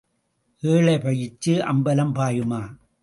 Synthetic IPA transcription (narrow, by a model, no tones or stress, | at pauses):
ʔeːɭɐɪpɐjɪt͡ʃːɯʔɐ̰mbɐlɐmpaːjɯmaː